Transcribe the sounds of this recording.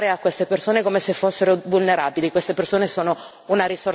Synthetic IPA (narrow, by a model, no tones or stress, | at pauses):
ɾeakwest̪epersoːnekomesefːosːeɾovulneɾaːbilikwest̪epersoːnesoːno | unaɾisor